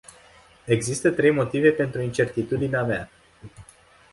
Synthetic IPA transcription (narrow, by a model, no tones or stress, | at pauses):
e̞ɡzist̪ət̪ɾe̞jmo̞t̪ive̞pe̞nt̪ɾuint͡ʃe̞rt̪it̪ud̪ineamea